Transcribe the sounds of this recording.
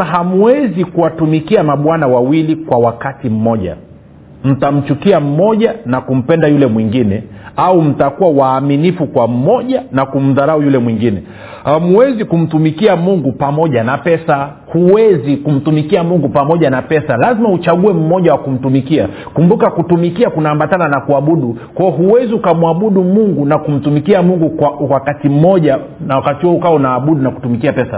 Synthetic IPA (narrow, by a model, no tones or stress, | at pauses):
ɦamuwɛzikuwatumikiamaɓwanawawilikwawakatim̩mɔʄa̰ | m̩tam̩t͡ʃukiam̩mɔʄanakum̩pɛndajulɛmwiŋɡinɛaum̩takuwawaːminifukwam̩mɔʄanakum̩ðaɾaujulɛmwiŋɡinɛ | hamuwɛzikum̩tumikiamuŋɡupamɔʄanapɛsa | huwɛzikum̩tumikiamuŋɡupamɔʄanapɛsalazimaut͡ʃaɠuɛm̩mɔʄawakum̩tumikia | kumbukakutumikiakunaːmbatananakuaɓuɗu | kwaɔɦuwɛziukamuaɓuɗumuŋɡunakum̩tumikiamuŋɡukawakatim̩mɔʄa | nawakatiɔɔukaɔnaːɓuɗunaku̥tumikiapɛsa